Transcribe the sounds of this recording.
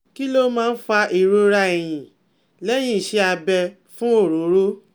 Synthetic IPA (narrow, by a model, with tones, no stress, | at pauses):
ki˦lo˦mãː˦˧n̩˦fa˧ʔi˨ɾo˧ɾa˧e˨j̃ĩ˨ | lɛ˦j̃ĩ˦˨ʃe˧˦a˧bɛ˧ | fũ˦o˦˨ɾo˨˦ɾo˦